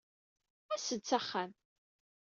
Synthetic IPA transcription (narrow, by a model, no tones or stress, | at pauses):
æsət͡sːaχːæn